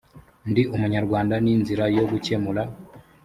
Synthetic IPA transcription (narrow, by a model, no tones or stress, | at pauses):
ndiʔumuɲaɾɡwaːndaninziɾajo̞ɡucemula